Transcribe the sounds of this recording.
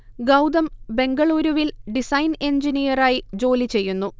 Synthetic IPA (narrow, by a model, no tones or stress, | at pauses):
ɡɐwd̪ɐmbe̞ŋɡɐɭuːɾuʋilɖisɐjne̞ɲd͡ʑinijɐraːjid͡ʑo̞ːlit͡ɕe̞jːunːu